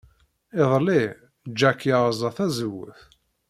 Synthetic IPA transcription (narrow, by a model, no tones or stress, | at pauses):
ɪðˤli | d͡ʒːækːjaʁzˤɑθæzəwːə̰θ